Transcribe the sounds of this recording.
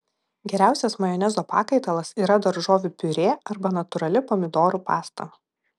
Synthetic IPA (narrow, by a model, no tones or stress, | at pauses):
ɡʲɛɾʲæˑʊsʲɛsmɐjɔnʲɛzoːpɑ̰ːkɐɪt̪ɐlˠɐsiːɾɐd̪ɐɾʒoːʋʲʊpʲʊɾʲeːɐɾbɐnɐt̪ʊɾɐlʲɪpoːmʲɪd̪oːɾuːpɑːst̪ɐ̰mɐ